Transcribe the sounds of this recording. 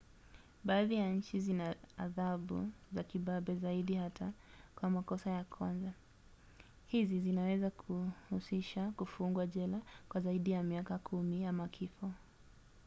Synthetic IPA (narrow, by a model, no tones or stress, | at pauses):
ɓaːðijaɲ̩t͡ʃizina̰ːðaɓṵzakiɓaɓɛzaiɗihatakwamakɔsajakʰwanza | hizizinawɛzakʰuhusiʃakufuŋɡwaʄɛlakwazaiɗijamiakakʰumiamakʰifɔ